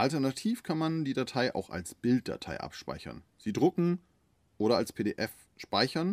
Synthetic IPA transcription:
ʔaltɛɐnatʰiːfkʰanmandiːdatʰaɪʔa̰ʊxa̰lsb̥ɪlt̚d̥a̰tʰa̰ɪʔa̰pʃpa̰ɪçɐ̰nz̥iːdʁʊkŋ̩ | ʔoːɾɐalspʰeːdeːʔɛf | ʃpaɪçɐn

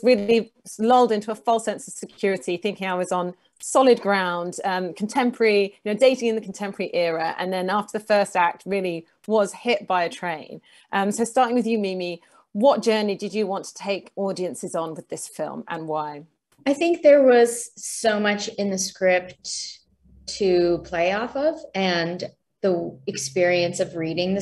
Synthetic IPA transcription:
ɹɪːli | lʌʊlˠdɪ̃ntuəfʌlˠsɛ̃nsəv̥sɪkʰj̥ɔːɹɪtʰiθɪ̃ŋkɪ̃ŋaɪwʌzn̩ | sɒlɪd̚ɡɹãʊ̃nd̥ʌ̃mkʰə̃n̩tʰɛ̃mpʰəɹəɹijɨnəʊdeɪtɪ̃ŋɪ̃nðəkʰə̃n̩tʰɛ̃mpʰəɹəɹiʔɛɹəʔə̰̃nðə̃nɑˑftəðəfɜˑstak̚t̚ɹɪəli | wɒz̥hɪʔ̚b̥aɪɨtʰɹ̥ẽɪ̃n | ʔʌ̃msəʊstɑˑtɪ̃ŋwɪðjɨmimi | wɒʔd̥ʒ̥ɜːnidɪd͡ʒəwɒ̃ntʰə̥tʰeɪkɔːdiə̃nsɪzn̩wɪðɪsfɪ̰lˠmə̰̃nwaɪ | aɪθɪ̃ŋk̚ðə˞wʌz̥soʊmʌt͡ʃɨ̃nðɨskɹɪp̚tʰ | ɨpʰl̥eɪɔfʌvɨ̃n | ðiɨkspɪɹiɨ̃nsʌvɹiɾɪ̃ŋðɨ

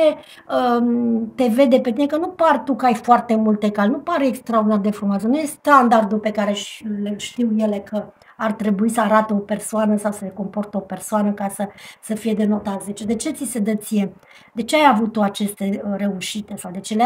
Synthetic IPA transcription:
t͡ʃe | ət̪e̞ve̞d̪e̞pe̞t̪inekənupart̪ukəajfoart̪e̞mult̪ekalnupaɾeekst̪ɾaord̪inard̪e̞fɾumasənujest̪and̪ard̪ulpe̞kaɾe̞ʃleʃt̪iwje̞le̞kʰə | art̪ɾe̞buisəaɾat̪eo̞pe̞rsoanəsawsəɾeko̞mpo̞rt̪eo̞pe̞rsoanəkasəsəfije̞d̪e̞no̞t̪at̪ze̞t͡ʃed̪e̞t͡ʃe̞t̪sise̞d̪ət̪sije̞ | d̪e̞t͡ʃe̞ajavut̪oat͡ʃe̞st̪e̞re̞uʃit̪e̞sawd̪e̞t͡ʃele

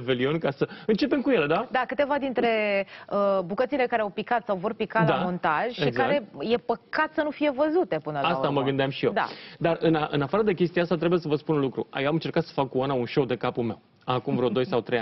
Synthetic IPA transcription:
ve̞lio̞nkasəɨnt͡ʃe̞pe̞mkuje̞le̞d̪ad̪akɨt̪e̞vad̪int̪ɾe̞əbukət̪sile̞kaɾeawpikat̪sawvo̞rpikadlamo̞nt̪aʒ̥ʲʃiɡzkaɾe̞je̞pəkat̪sənufije̞vəzut̪e̞pɨnəlaast̪aməɡɡɨnd̪eamʃijed̪a̰d̪arɨnaʔɨnafaɾəd̪ekʲe̞s̬t̪iaast̪at̪ɾe̞bujes̬əvəspunlukɾṵa̰jewamɨnt͡ʃe̞ɾkat̪sə̥fakkuanaunʃo̞wd̪e̞kapulme̞w | akumvɾeod̪o̞jsawt̪ɾe̞jan

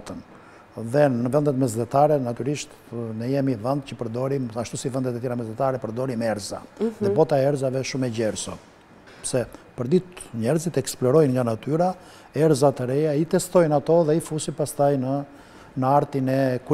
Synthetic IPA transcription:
t̪ən | ðɛnəvɛnd̪ɛt̪mɛzd̪ɛt̪aɾɛnat̪yɾiʃt̪ | nəjɛmivɛnd̪cəpəɾd̪ɔɾimaʃt̪usivɛnd̪ɛt̪ɛt̪jɛɾamɛzd̪ɛt̪aɾɛpəɾd̪ɔɾimɛɾza̰ðɛbɔt̪aɛɛɾzavɛʃumɛɟɛɾsɔ | psɛpəɾd̪it̪ɲɛɾzit̪ɛksplɔɾɔjnŋɡanat̪yɾa | ɛɾzat̪əɾɛjait̪ɛst̪ɔjnat̪ɔðɛifusipast̪ajnə | naɾt̪inɛku

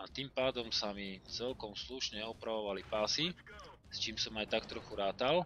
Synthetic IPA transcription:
at̪iːmpaːd̪ɔmsamit͡sɛlkɔmsluʃɲɛɔpɾaʋɔʋalipaːsi | st͡ʃiːmsɔmajt̪akt̪ɾɔxuɾaːt̪al

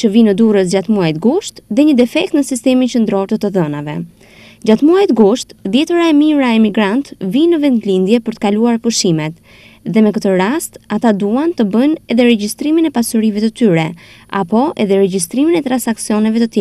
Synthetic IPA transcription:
t͡ʃəvinəd̪uɾəs̬d͡ʑat̪muajt̪ɡuʃt̪ðɛɲəd̪ɛfɛk̚t̪nəsist̪ɛmint͡ʃənd̪ɾɔɾt̪ət̪əðɔnavɛ̰ | d͡ʑat̪muajt̪ɡuʃt̪ðjɛt̪əɾaɛmiɾaɛmiɡɾant̪vinəvɛnd̪lind̪jɛpəɾt̪ə̥kaluaɾpuʃimɛt̪ | ðɛmɛkət̪əɾast̪at̪ad̪uant̪əbənɛðɛɾɛɟist̪ɾiminɛpasuɾivɛt̪ət̪yɾɛa̰pɔʔɛ̰ðɛɾɛɟist̪ɾiminɛt̪ɾansaksiɔnɛvɛt̪ət̪jɛ

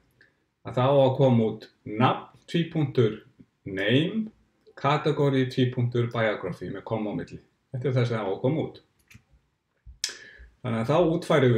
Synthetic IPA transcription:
aθawawakʰɔːmauːt̪ | nap̚n̥t̪ʰviːpʰuŋ̥t̪ʏɾ̥ | neːjm | kʰaːt̪ɛkɔɾjit̪ʰviːpʰuŋ̥t̪ʏɾpajakɾɔfɪmɛðkʰɔmːawmɪt̪lɪ | ɛht̪ɪɾ̥θas̬ɛaaakʰɔːmuːt̪ | θanːɪaθawuːt̪fajɾɪ

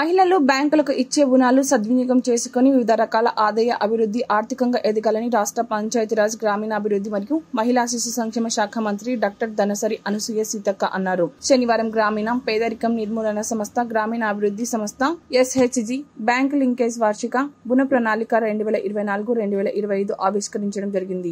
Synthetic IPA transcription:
mɐɦilɐlubjaːŋkulɐkuʔit͡ʃːeːbunaːlusɐd̪ʋiɲikɐmt͡ʃe̞ːsu̥koniʋiʋid̪ʱɐɾɐkaːlɐʔaːd̪ɐjɐʔɐbʱiɾud̪ʱːiʔaːɾt̪ʰikɐŋɡaʔeːd̪iɡaːlɐniɾaːʂʈɾɐpɐɲt͡ʃaːjɐt̪iɾaːd͡ʒɡɾaːmiːnɐːbʱiɾud̪ːimɐɾijumɐɦilaːs̬iʃusɐŋkʂɛːmɐʃaːkʰɐmɐnt̪ɾiɖaːk̚ʈɐɾd̪ɐnɐsɐɾiʔɐnusujesiːt̪ɐkːɐ̰ʔɐnːaːɾuʃɐniʋaːɾɐmɡɾaːmiːnɐmpɛːd̪ɐɾikɐmniɾmuːlɐnɐsɐmɐst̪ʰɐɡɾaːmiːnɐɐbʱiɾud̪ʱːisɐmɐst̪ʰɐesɦet͡ʃd͡ʒibjaːŋkliŋkeːsʋaːɾʂikabunɐpɾɐnaːlikɐɾe̞ɳɖuʋɛːlɐʔiɾuʋɐjnaːluɡuɾe̞ɳɖuʋɛːlɐʔiɾɐʋɐjɐjd̪uʔaːʋiʃkɐɾiɲt͡ʃɐɽɐmd͡ʒɐɾiɡind̪i

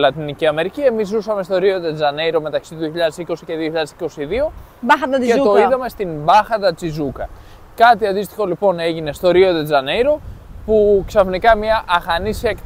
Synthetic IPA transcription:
lɐt̪iniciɐme̞ɾicie̞mizːusɐme̞st̪o̞ɾio̞ðe̞d͡zɐne̞jɾo̞me̞t̪ɐksit̪uðioçiʎɐðe̞siko̞sice̞ðioçiʎɐðesiko̞siðio̞ɐxɐd̪ɐket̪o̞iðɐme̞st̪imbɐxɐd̪ɐt͡sizukɐ | kɐt̪iɐnd̪ist̪i̥xo̞lipo̞ne̞ʝine̞st̪o̞ɾio̞ðe̞d͡zɐnejɾo̞puksɐfnikɐmɐʔɐxɐnisiɐekt̪

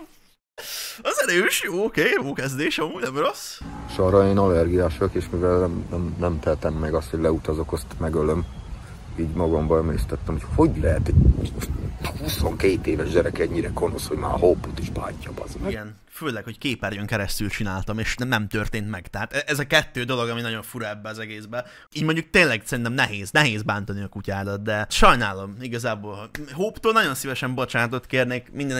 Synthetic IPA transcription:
ɒzɛɾøːʃjoːokeːjoːkɛzd̪eːʃɒmuːɟnɛmro̞sʃɒɾɒeːnɒlɛrɡijaːʃokeːʃmivɛlnɛmnɛmnɛmt̪ɛlt̪ɛmːɛɡɒst̪hoɟʲlɛut̪ɒzo̞kost̪mɛɡøløm | iːɟmɒɡɒmbɒɛmeːst̪ɛt̪ːɛmocho̞ɟlɛɦɛt̪ɛoʃhuso̞ŋkeːt̪eːvɛʒɟɛɾɛkɛɲːiɾɛko̞no̞shoɟma̰ːhopːut̪iʃpa̰ːcːɒbɒ̰zɡɛn | føːlɛkho̞ckeːpɛrjøŋkɛɾɛst̪ylt͡ʃinaːlt̪ɒmeːʃnɛmt̪ørt̪eːnt̪mɛɡ̥t̪ɛɦaːt̪ɛʔɛzɒkɛt̪ːøːd̪o̞lo̞ɡɒminɒɟo̞ɱfuɾɒɛbːɛɒzɛɡeːzbɛ | iːɟmoɲɟuk̚t̪eːnlɛɡsɛɾint̪ɛmnɛɦeːznɛɦeːzbaːnt̪ɒniɒkucaːd̪ɒt̪̚d̪ɛʃɒjnaːlo̞miɡɒzaːboːlhɒɦoːpt̪oːlnɒɟo̞nsivɛʃɛmbo̞t͡ʃaːnt̪o̞t̪keːrneːkmind̪ɛn

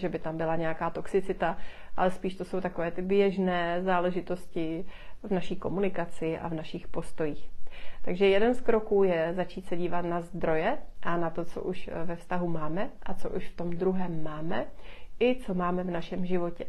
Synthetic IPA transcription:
ʒɛbɪt̪ambɪlaɲɛjakaːt̪o̞ksɪt͡sɪt̪aʔalɛspiːʃt̪oso̞wt̪ako̞vɛːt̪ɪbjɛʒnɛːzaːlɛʒɪt̪o̞scɪvnaʃiːko̞munɪkat͡sɪʔa̰vnaʃɪxpo̞st̪o̞jiːxt̪aɡʒɛjɛdɛnskɾo̞kuːjɛzat͡ʃiːt̪sɛɟiːvat̪nazd̪ɾo̞jɛʔanat̪o̞t͡so̰ʔuʃvɛfst̪aɦumaːmɛʔat͡so̞ʔṵʃft̪o̞md̪ɾuɦɛːmːaːmɛʔɪt͡so̞maːmɛvnaʃɛmʒɪvo̞cɛ

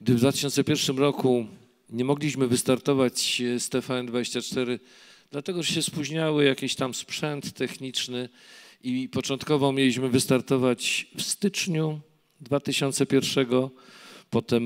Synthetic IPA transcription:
ɡ̚d̪ɘvd̪vat̪ɪ̥ɕɔnt̪sɛpʲjɛɾfʂɘmɾɔku | ɲɛmɔɡlʲiɕmɘvɘst̪aɾt̪ɔvat͡ɕst̪ɛfand̪vad͡ʑeɕt͡ɕat͡ʂt̪ɛɾɘ | d̪̥lat̪ɛɡɔʐɛɕɛspuʑɲawɘjakʲiɕt̪amspʂɛnt̪ːɛxɲit͡ʂnɘ | ipɔt͡ʂɔnt̪kɔvɔmʲjelʲiɕmɘvɘst̪aɾt̪ɔvat͡ɕfst̪ɘt͡ʂɲu | d̪vat̪ɘɕɔnt̪sɛpʲjɛɾfʂɛɡɔpɔt̪ɛm

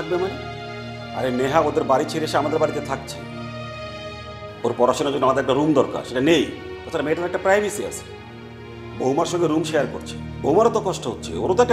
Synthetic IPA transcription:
ak̚bemane | a̰ɾeneɦaod̪eɾbaɾit͡ɕʰeɾeeʃeamad̪eɾbaɾit̪et̪ʰak̚t͡ɕʰe̥̰ | oɾpɔɾaʃonad͡ʑodnoamad̪eɾɛk̚ʈaɾumd̪ɔɾka̰ɾʃeʈanej | ɔt͡ɕʰaɾameʈaɾɛk̚ʈapɾajbʱisia̰sʰe̥ | boɦumaɾʃɔŋɡeɾumʃeaɾkoɾt͡ɕʰe̥bo̰ɦumaɾot̪okɔʃʈoɦot̪ːt͡ɕʰḛo̰ɾot̪oɛkʈ

